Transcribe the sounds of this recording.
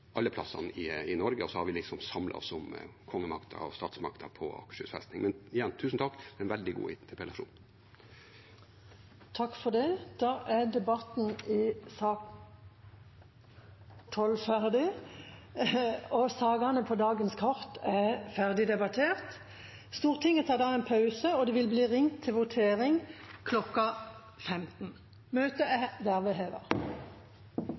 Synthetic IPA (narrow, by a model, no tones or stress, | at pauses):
ʔɑlːəpʰlɑsːɑ̰nɪɪnɔɾɡəɔsɔhɑɾʋɪlɪksɔmsɑmlʔɑ̰ɔ̰sɔmkʰɔŋːəmɑkt̪ʰə̰ɾɔ̰st̪ɑːt̪smɑkt̪ʰəpʰɔɑ̰kʂʉfɛst̪ɪŋmɛnɪjɛnːt̪ʰʉːsn̩t̪ʰɑk̪ːɛnʋɛld̪ɪɡṵːɪt̪ʰəpʰɛlɑʂṵːn | t̪ʰɑkːfɔd̪ɛd̪̥ɑːʔæd̪ɛbɑt̪n̩ɪsɑːk | t̪ʰɔlfæʁd̪ɪ | ɔsɑːɡɑnəpʰod̪ɑːɡənskʰɔʁt̪æfæʁd̪ɪd̪ɛbɑt̪ʰeːʁt̪ | st̪uːʁt̪ʰɪŋːət̪ʰɑːd̪ɑːɛːnpʰɑʉsəɔd̪ɛːʋɪlbliːʁɪŋt̪ʰːɪlʋʊt̪ʰeːʁɪŋkʰlɔkɑ | fɛmt̪n̩ | møːt̪əɛd̪æʁʋɛɦeːʋə̰ʁ